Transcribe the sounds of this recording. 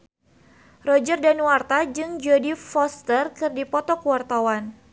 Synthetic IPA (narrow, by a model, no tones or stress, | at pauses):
rɔd͡ʒərdanwart̪ad͡ʒɨŋd͡ʒadifɔst̪ərkɨrdipɔt̪ɔkuwart̪awan